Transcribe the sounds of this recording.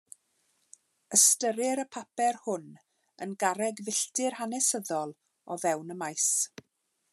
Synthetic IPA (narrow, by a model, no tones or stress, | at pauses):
əstəɾɪɾəpʰapɛrhʊn | ənɡaɾɛɡvɪɬtɪrhanɛsəðɔlˠ | ɔvɛwnəmajs